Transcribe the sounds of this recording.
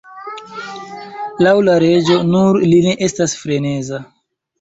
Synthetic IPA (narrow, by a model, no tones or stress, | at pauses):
lawlaɾe̞d͡ʒo̞nuɾline̞ʔestasfɾe̞ne̞za